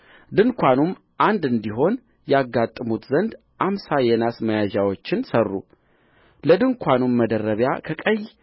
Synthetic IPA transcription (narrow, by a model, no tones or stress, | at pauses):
d̪ɨŋkʷʰanum | ʔand̪ɨnd̪iɦo̞n | jɛaɡːat̪ʼːɨmut̪zənd̪ | ʔamsajɛnasməjaʒawo̞t͡ʃːɪnsərːṵ | ləd̪ɨŋkʰʷanumːəd̪ərːəβja̰kʰəkʼəj